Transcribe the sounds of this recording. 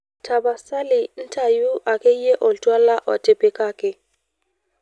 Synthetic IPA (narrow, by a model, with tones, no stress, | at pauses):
tʰa˨ba˨sa˦lɪ˨n̩˦tʰa˨ju˦ʔa˨ke˦jɛ˦ʔɔ˨ltʼwa˦la˦ʔɔ̰˨tɛ˨pɛ˨ka˦kɛ˨